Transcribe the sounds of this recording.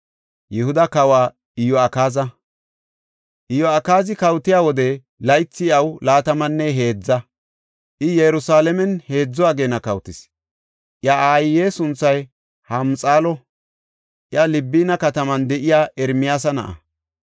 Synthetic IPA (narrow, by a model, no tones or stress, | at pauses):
jɪhʊd̪ɐkɐwaː | ɪjɔɐkaːzɐ | ʔɪjɔɐkaːzɪkɐwt̪ːɪjaːwɔd̪ɛ | lɐjt͡sːɪɐwlaːt̪ɐmɐnːɛɦe̞ːd͡zːɐ | ʔɪjɛjɾʊsaːlɛmɛnhe̞ːd͡zːɔaːɡe̞ːnɐkɐwt̪ɪs | ʔjaaːjɪje̞ːsʊnt͡sːɐj | hɐmt͡sʼaːlɔ | ʔjɐlɪbːiːnɐkɐt̪ɐmɐnd̪ɛʔɪjaːʔɛɾmɪjaːs̬ɐnɐ̰ʔɐ̰